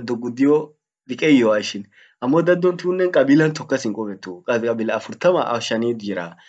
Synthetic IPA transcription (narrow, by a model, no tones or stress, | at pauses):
d̪ːɔɡʊd̪ɪjɔ | d̪ɪkʼɛjɔwaʃɪn | ʔɐmːɔd̪ɐd̪ːɔnt̪ɪʊnːɛnkʼɐbiːlɐnt̪ɔkːɐsɪŋkʼɔbɛt̪ːuːkʼɐskʼɐbiːlɐɐfʊɾt̪ɐmɐ̰ʔɐʃɐniːd̪iːɾa̰